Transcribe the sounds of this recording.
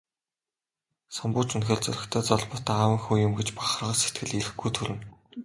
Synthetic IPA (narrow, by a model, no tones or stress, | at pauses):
sampʊːt͡ɕɵnxʲeːɮt͡sɵ̰ɾʲɪ̆xt̪ʰœːt͡sɔɮpʊ̆t̪ːaːwə̆ŋxuːjʊmɡet͡ɕpḁχə̆rʁə̆ːse̥t̪̚ɡɘ̆ɮiɾɘ̆xɡujt̪ʰuɾɘ̆n